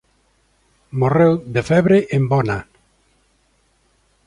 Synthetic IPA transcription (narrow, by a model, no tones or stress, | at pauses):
morewd̪efɛβɾeʔembɔna